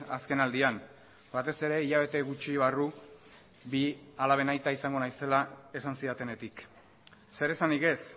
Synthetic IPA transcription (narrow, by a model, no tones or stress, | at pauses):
aske̞nald̪ian | bat̪e̞se̞ɾe̞iʎaβ̞e̞t̪e̞ɣut͡ʃiβaru | bialaβ̞e̞najt̪aisaŋɡo̞najse̞lae̞sansiat̪e̞ne̞t̪ik | se̞ɾe̞saniɣe̞s